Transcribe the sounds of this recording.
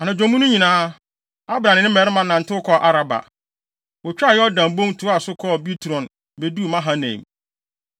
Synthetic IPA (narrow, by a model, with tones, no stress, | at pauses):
a˨nã˨d͡ʑᶣõ˨mũ˦nʊ̃˦ɲĩ˨nãː˦ | a˦bɾã˨nɪ̃˨˦nɪ̃˦mɛ˨ɾɪ˦mã˨nã˨n̩˨tʰɪ˦ʊ˦kʰɔ˦˨ʔa˨ɾa˦ba̰˨ | wɔ˨t͡ɕᶣa˦˨jɛ˦ɔ˦dã˨m˦bõ˦ŋ˦tʰu˨˦a˦˨sʊ˦kʰɔ˦˨bi˦tʰu˨ɾɔ̃˨n | be˨duː˦˨mã˦ɦã˦nḛ̃˨m